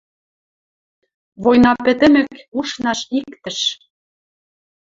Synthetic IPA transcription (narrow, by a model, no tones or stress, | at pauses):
βojnɑpɘ̆t̪ɘ̆mɘ̆kuʃnɑʃikt̪ə̆ʃ